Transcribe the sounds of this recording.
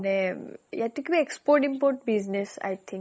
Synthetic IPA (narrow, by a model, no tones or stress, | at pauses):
nejaʈ̪ːukibiekspoɾʈĩmpoɾʈ̚biznesa̰jt̪ʰĩŋ